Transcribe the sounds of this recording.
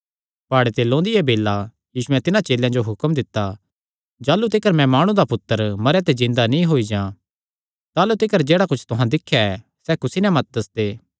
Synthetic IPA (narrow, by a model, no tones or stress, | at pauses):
paːɽet̪elõːnd̪iɛbeːlːa | jiːsʊɛ̃t̪ɪnãt͡ʃeːljãd͡ʒoɦʊkəmd̪ɪt̪ːa | d͡ʒaːlut̪ɪkəɾmɛ̃maːɽ̃ũd̪apʊt̪ːəɾmɐɾjat̪ezɪ̃nd̪anĩɦoːid͡ʒãː | t̪aːlut̪ɪkəɾd͡ʒeːɽakʊt͡ʃʰt̪ʊɦãd̪ɪkʰːjaɛ | sɛkʊsinɛmɐt̪̚d̪ɐsd̪eː